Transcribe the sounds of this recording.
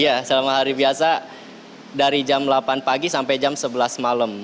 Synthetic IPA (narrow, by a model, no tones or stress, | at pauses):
ijasəlamaɦaɾibiasa | daɾid͡ʒamlapanpaɡisampajd͡ʒamsəbəlasmaləm